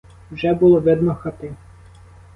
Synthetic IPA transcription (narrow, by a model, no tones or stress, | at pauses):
wʒɛbʊlˠɔʋɛd̪mɔxɐt̪ɪ